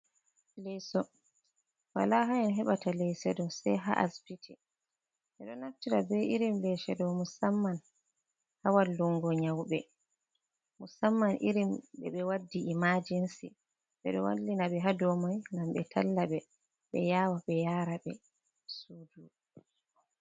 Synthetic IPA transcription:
lɛjsɔ | wa̰laɦaɛnɦɛɓatalɛjsɛdɔsɛ̰jɦa̰ʔa̰spitʰɛ | ʔɛɗɔnaftiɾabɛʔiɾimlɛʃɛdɔwmusamːan | hawalːuŋɡɔɲawɓɛ | musamːanʔḭɾimɓɛ̰ɓɛwadːiimad͡ʒinsḭ | ɓɛ̰ɗɔwa̰lːinaɓɛɦadɔmajŋɡamɓɛtʰalːaɓɛ | ɓɛ̰jawaɓɛjaːɾaɓɛ | sudu

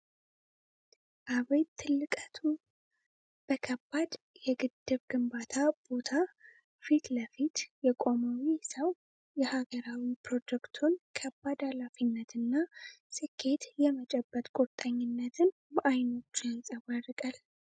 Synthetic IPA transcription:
ʔaβajt̪ʰːɨlːɨkʼət̪ʰu | b̥əkʰəbːad̪ | jɛɡɨd̪ːɨβɡɨmbat̪ʰab̥o̞t̪ʰa | fit̪ləfit̪jɛkʼo̞mawisəw | jɛhaɡəɾawipʰɾo̞d͡ʒɛkt̪ʰunkʰəbːad̪alafinːət̪ʰɨnːasɨkʰːe̞t̪jɛmət͡ʃʼɛbːət̪ʼkʼoɾt̪ʼaɲːɪnːət̪ʰɨn | maʔajno̞t͡ʃːjansʼəwarɨkʼal

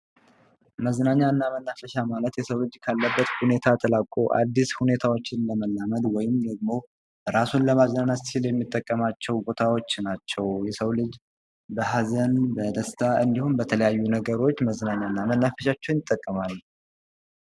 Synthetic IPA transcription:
məzənaɲːaɨnːamənːafəʃamalət̪jɛsəwlɨd͡ʒkʰalːəbːət̪hune̞t̪ʰat̪ʰəlakʼoʔa̰d̪ːishune̞t̪ʰawo̞t͡ʃːɪnləməlːaməd̪wɔjɪmd̪əɡmo̞ | ɾasunləmazənanat̪t͡ʃɪljɛmːit̪ʼːəkʼːəmat͡ʃːɛwbo̞t̪ʰawo̞t͡ʃːnat͡ʃːɛwjɛsəwlɨd͡ʒ | bəɦazənbəd̪əst̪ʰaʔɨnd̪ihunbət̪ʰələjajːunəɡəɾo̞t͡ʃːməzənaɲːaɨnːamənːafəʃat͡ʃːɛwnjɪt̪ʼːəkʼːəmal

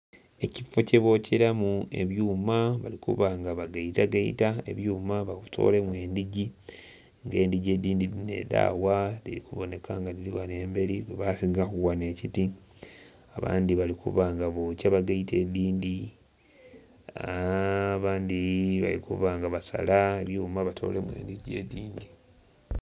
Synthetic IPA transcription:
e̞cifo̞ce̞βo̞cʰeɾamue̞̰βjuːmaβalikṵβaŋɡaβaɡaitaɡaḭtaḛβjuːmaβakutʰo̰ːle̞mwe̞ːndiɟi | ŋɡe̞ːndiɟeːdiːndiline̞̰da̰ːwalḭlikuβone̞kaːŋɡaniliwane̞ːmbe̞ɾiweβasiɡakuɣwane̞citi | aβa̰ːndiβalikuβaŋɡaβocaβaɡaite̞ːdiːndi | a | βaːndiβa̰likṵβaŋɡaβasa̰laeβjuːmaβatʰo̞̰ːle̞mwe̞̰ːnd̪iɟie̞ːdiːndi

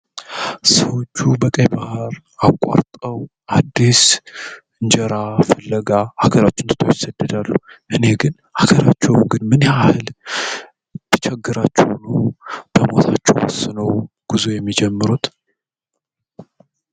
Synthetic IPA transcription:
səwot͡ʃːubəkʼəjbahɾ | akʼːa̰ɾt̪ʼəwʔad̪ːis | ɨɲd͡ʒɛɾafəlːəɡahaɡəɾat͡ʃːɪnt̪ɨ̥t̪ʰo̰jɪsəd̪ːəd̪alːuʔɨne̞ɡɨn | haɡəɾat͡ʃːɛwɡɨnmɨnahɨl | b̥it͡ʃʰɛɡːɨɾat͡ʃːɛ̰wnub̥əmo̞̰t̪ʰat͡ʃːɛ̰wwɔ̰sːɨnəw | ɡ̥ɨzujɛmːid͡ʒɛmːɨɾut̪

